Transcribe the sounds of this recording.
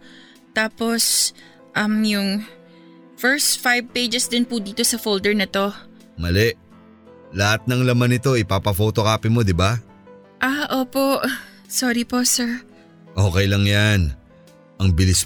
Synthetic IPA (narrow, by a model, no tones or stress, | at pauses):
t̪aːpo̞s | ʔɐmjʊŋ | fɛɹst̪̚fajb̚pejd͡ʒɛsd̪ɪnpʊd̪iːt̪o̞sɐfowld̪ɛɹnɐt̪o̞ | mɐlɛʔ | lɐhat̪̚nɐŋlɐmanɪt̪o̞ʔɪpapɐfo̞ːt̪o̞kaːpɪmo̞d̪ɪba | ʔaʔoːpo̞ʔ | soːɾipo̞sɛɹ | ʔoːkɛjlɐŋjan | ʔɐŋbɪlɪs